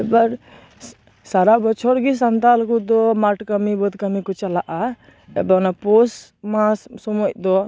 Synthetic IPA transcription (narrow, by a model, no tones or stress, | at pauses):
ɛbaɾ | saɾabɔt͡ʃʰɔɾɡis̬ant̪alkud̪ɔmaʈkəmibɔd̪kəmikɔt͡ʃalaʔa | ɛ̰banapɔsmasɔmɔʔd̪ɔ